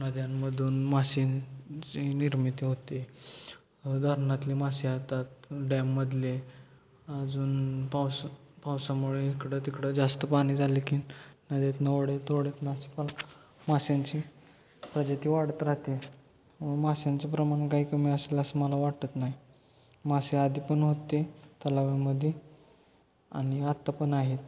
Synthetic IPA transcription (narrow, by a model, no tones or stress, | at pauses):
nəd̪janməd̪ʱuːnmaɕint͡ɕiniɾmit̪iɦot̪e | d̪ʱəɾnat̪liːmasiat̪at̪ɖɛmːəd̪le | ad͡zuːnpawspawsamuɭeikɽət̪ikɽəd͡zast̪əpaɽ̃iːd͡z̪ʱalikinnəd̪et̪nəʋɽet̪oɽet̪nasi̥pal | masaɲt͡ɕi | pɾəd͡ʑat̪iːʋaɽt̪ɾaɦt̪e | ʋmasjãnt͡sapɾəmaɳkaɦiːkəmiəseləsəməlaʋaɽt̪ət̪naɦj | masead̪iːpəɳɦot̪et̪əlaʋeməd̪ʱje | a̰ɽ̃iat̪ːapəɳaɦet̪